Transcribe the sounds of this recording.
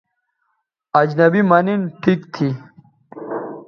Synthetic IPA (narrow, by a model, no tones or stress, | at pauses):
ɐd͡ʑnɐbimɐninʈʰikt̪ʰi